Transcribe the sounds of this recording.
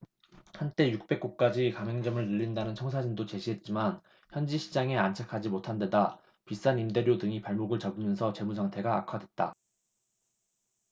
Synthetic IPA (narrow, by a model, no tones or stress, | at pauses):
hant͈e̞juk̚p͈e̞k̚k͈ok̚k͈ad͡ʑikameŋd͡ʑʌmɯɭnɯʎːindanɯnt͡ɕʰʌŋsʰad͡ʑindot͡ɕe̞ɕʰiɦe̞t̚t͡ɕ͈iman | çjʌnd͡ʑiɕʰid͡ʑaŋe̞ant͡ɕʰakʰad͡ʑimotʰande̞da | pis͈animde̞ɾjodɯŋipaɭmoɡɯɭt͡ɕabɯmjʌnsʰʌt͡ɕe̞mus̬ʰaŋtʰe̞ɡaa̰kʰadwe̞t̚t͈a̰